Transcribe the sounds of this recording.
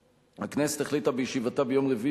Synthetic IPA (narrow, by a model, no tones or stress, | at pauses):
hakneset̪haχlit̪abejeʃivat̪abejo̞mʁevi